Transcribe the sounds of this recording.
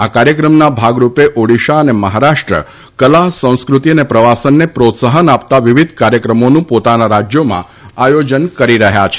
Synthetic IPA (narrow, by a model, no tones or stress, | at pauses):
akaɾjəkɾəmnabʱaɡɾupeʔoɽiʃaəneməɦaɾaʃʈɾə̰ | kəlaɦsə̃w̃skɾut̪iənepɾəʋasənːepɾot̪səɦənap̚t̪aʋiʋid̪ʱkaɾjəkɾəmonũpot̪anaɾad͡ʒjomã̰ | ajod͡ʒənkəɾiɾəɦjat͡ʃʰe̥